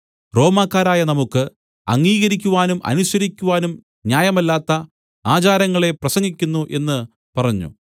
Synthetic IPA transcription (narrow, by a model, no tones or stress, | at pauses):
ro̞ːmaːkːaːɾaːjɐnɐmukːɨ | ɐ̰ŋːiːɣɐɾikʲːuʋaːnumʔɐ̰nuɕɐɾikʲːuʋaːnum | njaːjɐmɐlːaːt̪ːɐ | aːt͡ɕaːɾɐŋːɐɭe̞prɐsɐŋɡikʲːunːuʔe̞nːɨ | pɐrɐɲːṵ